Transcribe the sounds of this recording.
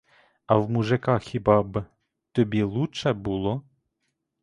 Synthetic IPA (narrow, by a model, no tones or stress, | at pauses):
ɐwmuʒekɑxʲibɑb | t̪ɔbʲilˠut͡ʃɛbulˠɔ